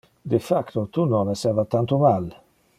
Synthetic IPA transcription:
d̪ɪfakt̪ot̪unɔnɛsɛɾvat̪ant̪omal

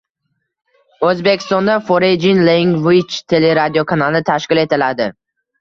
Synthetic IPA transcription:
ɵzbekʲʰɪ̥st̪ɒnd̪afoɾed͡ʒɪnleŋvit͡ʃt̪ʰe̞le̞ɾad̪ijokʰanalˠɪt̪ʰaʃkʲɪle̞t̪ɪlad̪ɪ

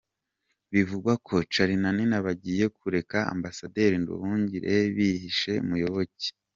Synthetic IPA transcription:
βivuɡwakʰo̞t͡ʃaɾinaninaβaɟiːje̞kʰuɾe̞kaa̰mbasade̞ɾindṵhuːɲɟiɾe̞βiɦiʃe̞̰mujo̞βoce̥

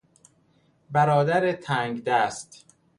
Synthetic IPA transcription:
bæɾɒːd̪æɾet̪ʰæːŋɡd̪æːst̪

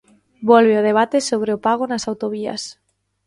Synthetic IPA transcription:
bolβeoð̞eβ̞at̪esoβ̞ɾeopaɣ̞onasawt̪oβ̞ia̰s

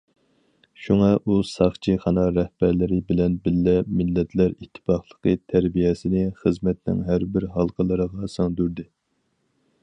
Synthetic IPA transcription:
ʃuŋɑʔusɑχt͡ʃʰiχɑnɑɾɛhb̥æɾlɪɾɪbɪlɛnbɪlːɛmɪlːɛt̪ʰlæɾit̪ʰːɪ̥pɑχlˠəqʰət̪ʰæɾbijɛsɪnɪχəzmɛt̪nɪ̰ŋɦæɾbɪɾɦɑlˠqʰəlˠɨɾəʁɑsɑŋd̪yɾd̪ɪ

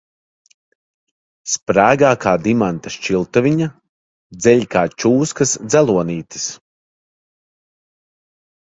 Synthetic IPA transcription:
spɾæːɡaːkaːd̪imant̪aʃt͡ʃilˠt̪uvʲiɲa | d̪zɛʎʲkaːt͡ʃuːskɐsd̪zælˠuɔniːt̪i̥s

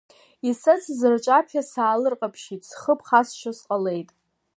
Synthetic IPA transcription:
isat͡sʰzɨrt͡ʃʷʼapʰasaːlɨrqʼapʰʃitʰʼsχəpʰχasʃʷʰasqʼale̞jtʼ

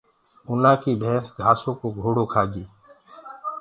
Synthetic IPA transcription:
ʊnãːkiːbʱeːsɡʱaːsõːkoːɡʱoːɽoːkʰaːd͡ʒiː

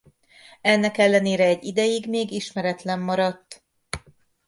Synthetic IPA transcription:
ɛnːɛkɛlːɛneːɾɛːɟːid̪ɛjiɡmeːɡiʃmɛɾɛt̪lɛmːɒɾɒt̪ː

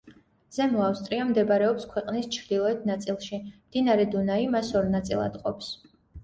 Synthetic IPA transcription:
z̥ɛmlˠafst̪ʼɾiamd̪ɛbɾɛɔpskʰwɛqʼnist͡ʃʰɾd̪ilˠɔɛt̪̚ʰnat̪sʼilˠʃimd̪̥inaɾɛd̪unaimasɔɾnat̪sʼḭlˠa̰d̪qʼɔps

